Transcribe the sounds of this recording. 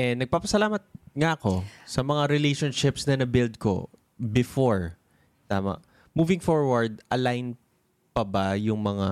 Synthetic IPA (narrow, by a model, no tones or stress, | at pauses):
ʔɛnɐɡ̚paːpɐsɐlaːmɐt̪̚ŋɐɐko̞sɐmɐŋaɾɛlejʃonʃɪpsnɐnɐbɪld̪̚ko̞̰ | bɪfoɹ | t̪aːmɐ̰ʔ | muːvɪŋfoɹwɐɹd̪̚ʔɐlajn | pɐbɐjʊŋmɐŋa